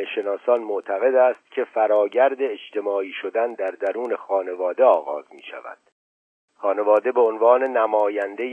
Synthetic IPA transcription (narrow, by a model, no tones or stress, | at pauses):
eʃe̞nɒːsɒːnmot̪ʰæɣe̞d̪æːst̪̚cʲʰe̞fæɾɒːɟæɾd̪e̞ːt͡ʃt̪ʰe̞mɒːiːʃod̪ænd̪æɾd̪æɾuːne̞xɒːne̞vɒːd̪eɒːɣɒ̰ːzmiːʃæ̰væ̰d̪̥ | xɒːne̞vɒːd̪e̞beonvɒːne̞næmɒːjænd̪ej